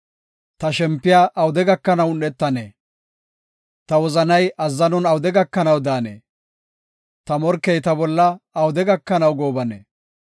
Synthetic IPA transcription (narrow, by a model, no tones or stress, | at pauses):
t̪ɐʃɛmpːɪjaːʔɐwʊd̪ɛɡɐkːɐnɐwʊnːɛt̪ːɐnḛː | t̪ɐwɔzɐnɐjɐzːɐnɔnɐwʊd̪ɛɡɐkːɐnɐwd̪aːnḛː | t̪ɐmɔɾkːɛjt̪ɐbɔlːɐːwʊd̪ɛɡɐkːɐnɐwɡoːbɐnḛː